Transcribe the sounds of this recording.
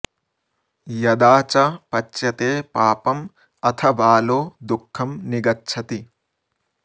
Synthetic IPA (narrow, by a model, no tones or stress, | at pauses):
jɐd̪aːt͡ʃɐpɐt͡ʃːjɐt̪eːpaːpɐm | ɐt̪ʰɐbaːloːd̪ukʰːɐmniɡɐtːt͡ʃʰɐt̪i